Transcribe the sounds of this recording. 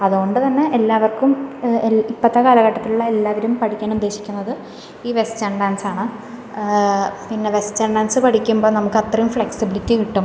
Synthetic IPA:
ɐðuɣo̞ɳɖɨt̪ɐnːe̞ʔelːaːʋɐrkum | ipːɐt̪ːɐkaːlɐɣɐʈːɐt̪ːiluɭːɐe̞lːaːʋɐɾumpɐʈʰikʲːaːnud̪ːe̞ːɕikʲːunːɐðɨ | iːʋe̞st͡ɕɐɳɖaːnsaːɳɨ | pinːe̞ʋe̞st͡ɕɐɳɖaːnsɨpɐʈʰikʲːumbo̞ːnɐmukːɐt̪rɐjumfɭeksibilitːikiʈːum

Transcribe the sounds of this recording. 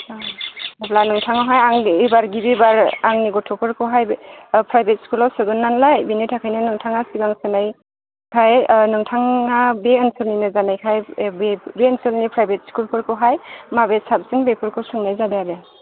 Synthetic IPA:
aplanɯŋtʰaŋɔɦajaŋibaɾɡibibaɾaŋniɡɔtʰɔpʰɯɾkʰɯɦajpʰɾajbet̚skulɔwsɯɡɯnːanlajbinitʰakʰajnɯnɯŋtʰaŋasibaŋsɯnaj | kʰajnɯŋtʰaŋabeɯnsɯlninɯzanajkʰajbbeənsɯlnipʰɾajbet̚skulpʰɯɾkʰɯɦajmabesab̚siŋbepʰɯɾkʰɯsɯŋnajzadeade

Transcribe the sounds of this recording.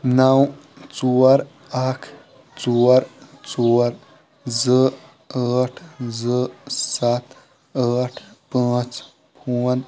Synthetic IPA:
naw | t͡soːɾ | akʰ | t͡soːɾt͡soːɾ | zə | aːʈʰzəsat̪ | aːʈʰpə̃ːt͡s | puːn

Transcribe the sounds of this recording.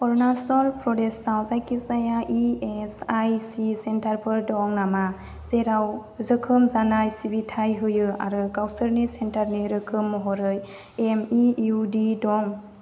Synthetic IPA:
pɔɾnasɔlpɾɔdesːawzajkizajaʔiesajsisentaɾpʰɯɾdɔŋnama | zeɾawzɯkʰɯmzanajsibitʰajɦɯjɯa̰ɾɯkawsɯɾnisentaɾniɾɯkʰɯmːɔɦɔɾɯj | emiudidɔŋ

